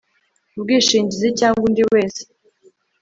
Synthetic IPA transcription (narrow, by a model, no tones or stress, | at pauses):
bɡiːʃiːɲɟizicaːŋɡundiwwe̞ːse̥